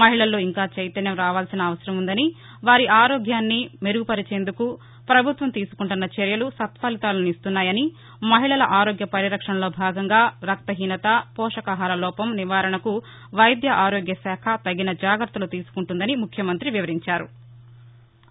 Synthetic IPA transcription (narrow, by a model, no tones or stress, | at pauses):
mɐɦiɭɐlːo̞ːiŋkaːt͡ʃejt̪ɐnjɐmɾaːʋaːlsinɐːʋɐsɐɾɐmund̪ɐni | ʋaːɾiʔaːɾoːɡjaːnːimeɾuɡupɐɾit͡ʃe̞ːnd̪uku | pɾɐbʱut̪ʋɐmt̪iːsu̥kuɳʈunːɐt͡ʃeɾjɐlusɐt̪ʋaːlit̪aːlɐnuist̪unːaːjɐni | mɐɦiɭɐlɐʔaːɾoːɡjɐpɐɾiɾɐkʂɐnɐlo̞ːbʱaːɡɐŋɡaːɾɐk̚t̪ɐɦiːnɐt̪ɐpɔːʂɐkaɦaːlɐlɔːpɐmniʋaːɾɐɳɐku | ʋɐjd̪jɐʔaːɾoːɡjɐsɛːkʰɐt̪ɐɡinɐd͡ʒaːɡɾɐɾt̪ːɐloːt̪iːsu̥kuɳʈund̪ɐnimukʰjɐmɐnt̪ɾiʋiʋɐɾiɲt͡ʃaːɾṵ